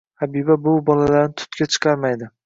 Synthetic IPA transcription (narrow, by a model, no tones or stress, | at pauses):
abibabʊbɒlalaɾnɪt̪ʰʊ̥t̪̚kʲat͡ʃʰɨ̥qʰɑɾmajd̪ɪ